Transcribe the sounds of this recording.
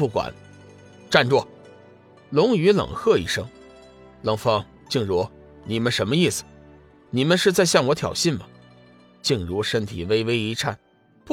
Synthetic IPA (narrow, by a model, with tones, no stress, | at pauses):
u˥˩kwa̰˨˩˦n | ʈ͡ʂa˥˧nʈ͡ʂwɔ˥˩ | lʊ˧˥ŋy˧˥lɤ̰˨˩ŋxɤ˥˧ḭ˥˩ʂɤ˥ŋ | lɤ˧˥ŋfɑ˥ŋ | t͡ɕi˥˩ŋɻu˧˥˩ | ni˨˩mə˦nʂə˧˥nmə˧i˥˩sɹ̩̥˨˩ | ni˨˩mə˧˦nʂɻ̩˥˧t͡sa˥˧ɪɕjɑ˥˩ŋwɔ˧˥t̪ʰjɑ̰˨˩ʊɕi˥˩nmə˩ | t͡ɕi˥˩ŋɻu˧˥ʂə˥nt̪ʰḭ˨˩we˥ɪwe˥ɪi˧˥ʈ͡ʂʰa˥˩n | p